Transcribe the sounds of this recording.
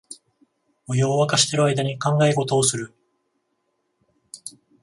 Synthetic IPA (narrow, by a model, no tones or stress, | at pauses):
ojoːβakaɕi̥t̪e̞ɾɯajd̪aɲ̟ikãŋɡaeko̞t̪o̞ːsɨɾɯ̟